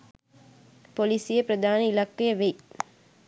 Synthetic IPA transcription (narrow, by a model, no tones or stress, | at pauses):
polisijepɾɐd̪ʱaːnəilakːejəʋej